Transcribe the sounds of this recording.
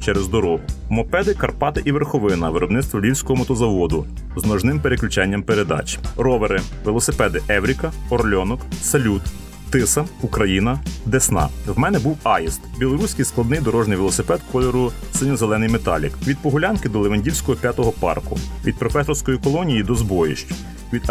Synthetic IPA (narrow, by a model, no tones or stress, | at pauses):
t͡ʃɛɾezd̪ɔɾɔɦʊmɔpɛd̪ɪkɐrpɑt̪ɪʔiʋerxɔʋɪnɐʋɪɾɔbnɪt̪st̪ʋɔlʲiwsʲkɔɦɔmɔt̪ɔzɐʋɔd̪ʊ | znɔʒnɪmpeɾeklʲʉt͡ʃɛnʲːɐmpeɾed̪ɑ̰t͡ʃrɔʋeɾɪ | ʋɪlˠɔsɪpɛd̪ɪʔɛwɾʲikɐɔrlʲɔnɔksɐlʲut̪ | t̪ːɪsɐukɾɐjinɐd̪esnɑ̰wmɛnɛbuwɑjist̪bʲilˠɔɾusʲkɪjsklˠɐd̪nɪjd̪ɔɾɔʒnɪjʋelˠɔsɪpɛt̪̚kɔlʲɔɾʊ | sɪnʲɔzelˠɛnɪjmet̪ɑ̰lʲḭkʋʲid̪̚pɔɦʊlʲɑnkɪd̪ɔlˠeʋɐnʲdʲiwsʲkɔɦɔpʲjat̪ɔɦɔpɑ̰rkʊ̰ʋʲḭd̪̚pɾɔfɛsɔrsʲkɔjikɔlˠɔnʲijid̪ɔzbɔjḭʃt͡ʃʊ̥ | ʋʲid̪